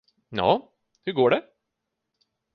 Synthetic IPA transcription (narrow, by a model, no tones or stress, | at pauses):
jɑ̰ː | hɵɾɡoːɖɛ